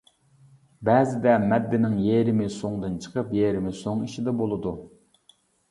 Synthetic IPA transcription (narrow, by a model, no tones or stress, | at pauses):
bɛːzɪd̪ɛmɛd̪ːɪnɪŋjeɾɪmɪsoŋd̪ɨnt͡ʃʰə̥qʰəpjeɾɪmɪsoŋiʃid̪ɛbolˠɨd̪u